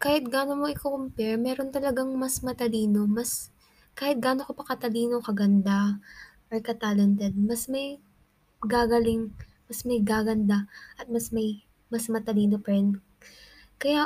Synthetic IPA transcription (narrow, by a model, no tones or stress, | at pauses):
kaːhɪt̪̚ɡaːnomoʔɪkokʊmpɛɹmɛːɾo̞nt̪ɐlɐɡaŋmɐsmɐt̪ɐliːno̞mɐs | kaːhɪt̪̚ɡaːnokopɐkɐt̪ɐliːnokɐɡɐnd̪a | ʔojkɐt̪aːlɛnt̪ɛd̪̚mɐsmɐj | ɡaːɡɐlɪŋ | mɐsmɐjɡaːɡɐnd̪aʔɐt̪̚mɐsmɐj | mɐsmɐt̪ɐliːnopɐɾɛnd̪ | kɐja